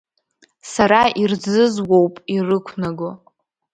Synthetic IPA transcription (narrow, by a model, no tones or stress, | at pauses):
saɾaʔird͡zɨzwowpʼirɨkʷʰnaɡo